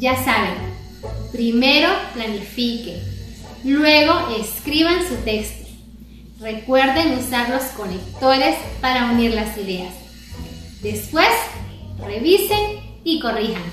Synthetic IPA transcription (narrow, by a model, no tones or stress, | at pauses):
d͡ʒasaβen | pɾimeɾoplanifike | lweɣo̞ʔeskɾiβansut̪ekst̪o̥ | rekweɾðenusaɾloskolekt̪oɾespaɾaumiɾlasiðeas | d̪espwesreβisen | ikorixan